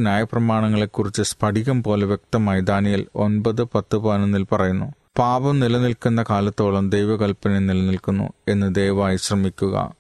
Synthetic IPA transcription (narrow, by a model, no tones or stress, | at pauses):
njaːjɐprɐmaːɳɐŋːɐɭe̞kːurit͡ɕːɨspʰɐɖʱiɣɐmpo̞ːleʋjek̚t̪ɐmɐːjid̪aːnijilo̞̰nbɐðɨpɐt̪ːɨbaːnunːilpɐrɐjunːu | paːbɐmnilɐnilkunːɐkaːlɐt̪ːo̞ːɭɐmd̪ejʋɐɣɐlpɐnenilɐnilkunːṵe̞nːɨd̪ejʋaːjiɕrɐmikʲːuɣɐ̰